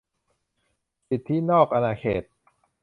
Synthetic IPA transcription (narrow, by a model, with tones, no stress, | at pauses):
si˨˩t̪ʰːiː˦˥˨nɔː˥˩k̚ʔa˧naː˧kʰḛː˨˩t̪̚